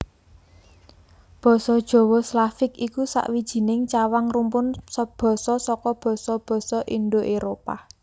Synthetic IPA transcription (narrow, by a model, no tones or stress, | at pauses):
b̥ɔ̤sɔd̥ʒ̥ɔ̤wɔslafɪkikusa̰ʔwid̥ʒ̥i̤nɪŋt͡ʃawaŋrumpʊnsɔb̥ɔ̤sɔsɔkɔb̥ɔ̤sɔb̥ɔ̤sɔʔinɖoʔeɾopa̰